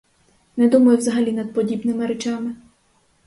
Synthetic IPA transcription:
nɛd̪umɐjʊwzɐɦɐlʲinɐd̪̚pɔdʲibnɪmɪɾɛt͡ʃamɪ

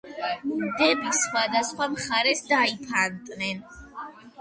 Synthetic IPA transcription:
md̪ɛbisχwad̪asχwamχaɾɛsd̪aipʰant̪ʼnɛn

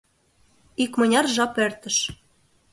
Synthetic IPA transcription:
ikmɤ̆nʲɑrʒɑpert̪ə̆ʃ

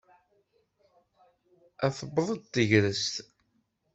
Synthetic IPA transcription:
æθəbːəðˤəd̪̚t̪ːəʝɾəst̪

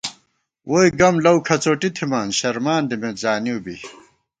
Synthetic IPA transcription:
ʔoːjɡɐmlɐwkʰɐt͡soːʈit̪ʰimaːnɕɐɾmaːnd̪imezaːniubi

